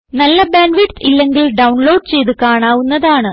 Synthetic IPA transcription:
nɐlːɐbeːnʋiʈsilːe̞ŋɡilɖɐwɳlo̞ːɖ̚t͡ɕe̞jt̪̬ukaːɳaːʋunːɐðaːɳɨ

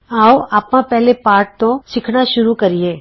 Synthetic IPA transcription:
aːoaːpmãpɛɦlepaːɾʈ̚t̪õʃɪkʰnaʃʊɾukɐɾieː

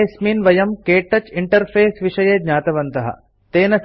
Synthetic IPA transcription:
smiːnʋɐjɐmkeːʈːɐt͡ʃiɳʈɐɾpʰeːsʋiʂɐjeːd̪ɲaːt̪ɐʋɐnt̪ɐɦɐ̰ | t̪eːnɐs

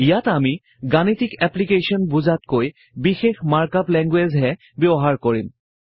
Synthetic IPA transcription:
ijatami | ɡanitikɛplikesiɔnbuzatkoj | bixexmaɹkaplɛŋɡwezɦɛ | bɔɔɦaɹkoɹim

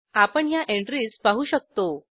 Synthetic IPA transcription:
apəɳjaʔeɳʈɾiːspaɦuːɕək̚t̪o

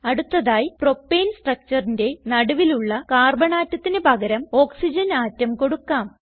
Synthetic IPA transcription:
ɐɽut̪ːɐðaːjipro̞pːeːnsʈrɐk̚t͡ɕɐrinde̞nɐɽuʋiluɭːɐkaːrbɐɳaːtːɐt̪ːinɨpɐɣɐɾɐmo̞ːksid͡ʑɐnaːtːɐmko̞ɽukːaːm

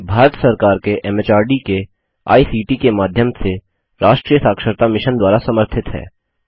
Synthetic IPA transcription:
bʱaːɾət̪sɐɾkaːɾkeʔɛːmet͡ʃaːɾɖike | a̰ːisiːʈikemaːd̪ʱjəmse | ɾaːʃʈɾiːjəsaːkʃəɾt̪amɪʃənd̪waːɾasɐməɾt̪ʰɪt̪ɦɛ̰ː

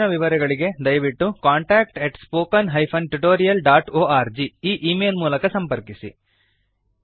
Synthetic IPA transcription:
nɐʋiʋɐɾɛɡɐɭiɡe̞d̪ɐjɐʋiʈːukaːɳʈaːk̚ʈeʈspoːkɐnɦɐjpʰɐnʈuʈoːɾijɐlɖaːʈoːaːɾd͡ʒiiːʔiːmeːlmuːlɐkɐsɐmpɐɾkisḭ

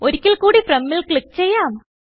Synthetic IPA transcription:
oɾikʲːilkuːɽipremːilkɭikːt͡ɕe̞jːaːm

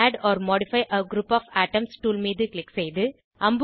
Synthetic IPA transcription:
aːɖɔːɾmɔːɽɪfɐɪʔɐɡɾuːpaːfaːʈːɐmsʈuːlmiːðɯklɪksɛjðɯ | ʔɐmb

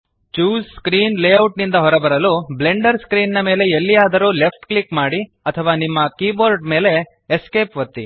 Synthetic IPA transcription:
t͡ʃuːsskɾiːnleːɐwʈnind̪ɐɦɔɾɐbɐɾɐluble̞ɳɖɐɾskɾiːnnɐme̞ːle̞elːijaːd̪ɐɾuːle̞pʰʈklikmaːɽi | ɐt̪ʰɐʋaːnimːɐkiːboːɾɖme̞ːle̞ː | ske̞ːpʋɐt̪ːḭ

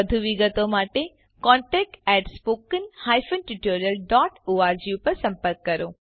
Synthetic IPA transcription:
əd̪ʱuʋiɡət̪omaʈe | kɔ̃ɳʈɛk̚ʈɛʈspokənhajfənʈiʈoɾjəlɖɔʈoaɾd͡ʒiupəɾsə̃mpəɾkːəɾo

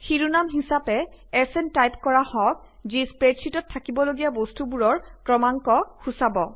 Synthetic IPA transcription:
xiɹunamɦisapɛ | ɛsɛntajpkɔɹahɔk̚ | zispɹetsʰitɔtʰːakibɔloɡijabostubuɹɔɹkɹɔmaŋkɔxusabɔ

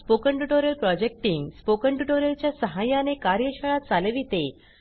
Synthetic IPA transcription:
pokəɳʈuʈoɾjəlpɾɔd͡ʑek̚ʈiŋɡspokəɳʈuʈoɾjəlt͡ɕjasəɦajãnekaɾjəɕəɭ̃at̪̚t͡salʋiːt̪e

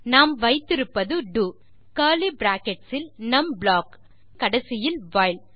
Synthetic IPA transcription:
naːmʋɐɪt̪ːɪɾɯpːɐðɯɖu | kɐːlibɾaːkɛʈsɪlnɐmblaːkː | ɐɽɐsɪjɪlʋaːjl

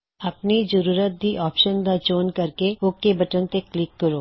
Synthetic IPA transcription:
ɐpnid͡ʒəɾuːɾət̪̚d̪iʔɔːpʃənd̪at͡ʃoːnkɐɾkeokːebɐʈənt̪eklɪkːɐɾoː

